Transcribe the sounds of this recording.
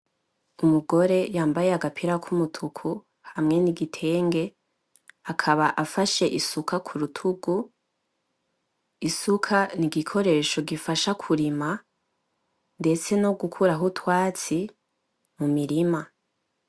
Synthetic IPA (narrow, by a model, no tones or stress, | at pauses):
umuɡo̞ɾe̞jaːmbaje̞aɡapʰiɾakʰumutʰukʰu | hamŋe̞niɡitʰe̞ːŋɡe̞ | akʰaβaʔafaʃe̞ʔisukakʰuɾutʰuɡ̥u | isukʰaniɡikʰo̞ɾe̞ːʃo̞ɡifaʃakʰuɾima | nde̞t͡se̞no̞ɡukʰuɾaɦutwaːt͡si | mumiɾima